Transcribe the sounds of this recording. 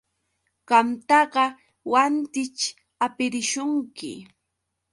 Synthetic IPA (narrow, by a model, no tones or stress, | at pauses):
ɢɑmt̪ɑɢɑ | want̪ɪt͡ʃ | apɪɾɪʃʊŋkɪ̰